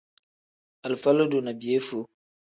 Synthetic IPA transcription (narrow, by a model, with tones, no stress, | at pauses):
a˨lfa˦lo˦do˨na˨bi˨e˦fo˨